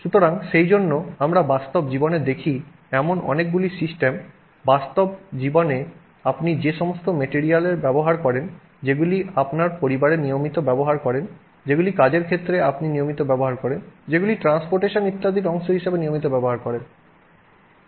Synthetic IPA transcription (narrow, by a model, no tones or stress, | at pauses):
ʃut̪oɾaŋʃejd͡ʑonːoamɾabast̪obd͡ʑiboned̪ekʰi | ɛmonɔ̰nek̚ɡulisisʈem | bast̪obd͡ʑibone | apnid͡ʑeʃɔmost̪omeʈiɾialeɾbɛboɦaɾkɔɾen | d͡ʑeɡuliapnaɾpoɾibaɾenijomit̪obɛboɦaɾkɔɾen | d͡ʑeɡulikad͡ʑeɾkʰet̪ːɾeapninijomit̪obɛboɦaɾkɔɾend͡ʑeɡuliʈɾanspoɾʈeʃonit̪ːad̪iɾɔŋʃoɦiʃebenijomit̪obɛboɦaɾkɔɾen